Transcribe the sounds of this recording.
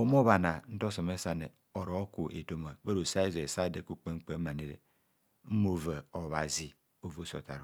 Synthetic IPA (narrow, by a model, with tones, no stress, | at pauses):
o˨m˦o˦βa˨na˨n̩˦to˦so˨me˦sa˦ne˨ | o˨ɾo˨˦ku˨ʔḛ˨to˦ma˨be˦ɾo˨sa˦i˦ze˨sa˦˨de˨ku˦k͡pe˦ŋ͡m̩˦k͡pe˦ma˨ne˨ɾḛ˨ | m̩˦mo˨ve˨o˨βa˨zi˨ | o˦˨vo˦so̰˨ta̰˨ɾo˨